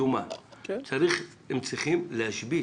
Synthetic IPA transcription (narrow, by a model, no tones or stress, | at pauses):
umat͡saɾiχ | hemt͡sʁiχimlehaʃbi